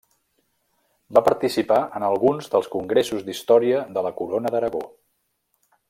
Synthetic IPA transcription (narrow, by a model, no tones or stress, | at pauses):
bapəɾt̪isipaʔənəlˠɣunzðəlˠskuŋɡɾesuzd̪ist̪ɔɾiəðələkuɾonəðəɾəɣo